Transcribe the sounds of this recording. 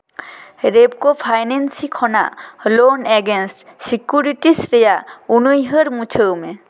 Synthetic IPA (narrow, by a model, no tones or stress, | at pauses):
ɾeb̚kɔpʰajnɛnsikʰɔna̰ʔlonɛɡensʈsikjuɾiʈisɾɛjaʔunujɦəɾmut͡ʃʰəwmɛ